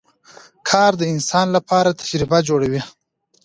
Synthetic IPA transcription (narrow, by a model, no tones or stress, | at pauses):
kʰɑːɾd̪əɪnsɑnlapʰɑɾat̪ʰḁʃɾibad͡ʒoɽawi